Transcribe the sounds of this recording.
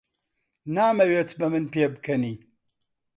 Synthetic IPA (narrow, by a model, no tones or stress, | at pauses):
naːmɐweːt̪ʰbɐmɨnpeːbɨkʰɐniː